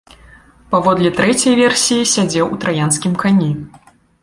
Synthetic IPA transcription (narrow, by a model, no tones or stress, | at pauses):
pavɔd̪lʲit̪ɾɛt͡sʲɐjvʲɛrsʲijisʲad͡zʲɛwut̪ɾajanskʲimkanʲi